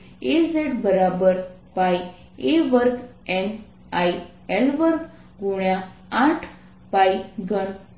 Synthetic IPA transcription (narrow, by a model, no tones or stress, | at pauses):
ezeʈbəɾabəɾ | paj | eʋəɾk | ɛn | aj | ɛlʋəɾk | ɡuɳjaãʈʰ | pajɡən